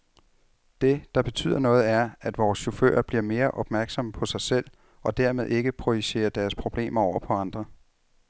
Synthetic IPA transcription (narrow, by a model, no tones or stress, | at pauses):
d̥e̝d̥ɑ̈b̥e̝t͡sʰy̰ːð̰ˠɐnɔ̽ːð̩ˠæɐæd̥ʋɒːsɕo̝fø̰ːɐb̥liɐ̰me̝ːɐʔɒ̽b̥mæɐɡ̥sɒ̽məpʰɒ̽sɑ̈ɪsel̰ | ɒ̽d̥æɐ̰me̝ð̞ˠe̝ɡ̥əpʰʁo̝iɕe̝̰ːɐd̥æɐspʰʁo̝b̥le̝̰ːmɐɒʊ̰ɐpʰɒ̽ɑ̈nd̥ʁɐ